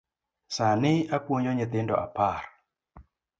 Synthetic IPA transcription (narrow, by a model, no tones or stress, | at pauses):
sanɪakwoɲoɲɛt̪ɪndɔ̰a̰par